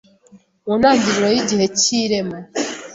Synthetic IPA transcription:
unaːɲɟiɾiwejiɟihe̞ciːɾema

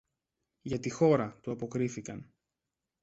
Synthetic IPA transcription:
ʝɐt̪ixo̞ɾɐt̪uɐpo̞kɾiθikɐn

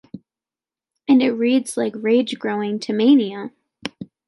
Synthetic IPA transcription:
ɨ̃nɨt̚ɹidz̥laɪkɹeɪd͡ʒɡɹoʊɪ̃ŋtʰɨmẽɪniə

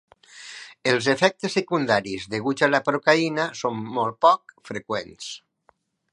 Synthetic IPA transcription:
elˠzefɛk̚t̪esːekund̪aɾizðeɣut͡ʃalapɾokainasomːɔl̚ˠpɔk̚fɾekwɛns

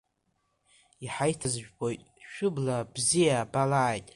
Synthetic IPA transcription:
iħajtʰazʒᶣbo̞jtʼʃᶣʊblabzijabalaʕːjtʼ

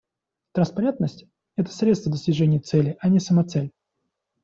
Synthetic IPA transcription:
t̪ɾənspɐɾʲent̪nəsʲtʲ | ɛt̪ə̥sɾʲet̪st̪vəd̪əsʲtʲɪʐɛnʲɪjət̪sɛlʲɪʔɐnʲɪsəmɐt̪sɛlʲ

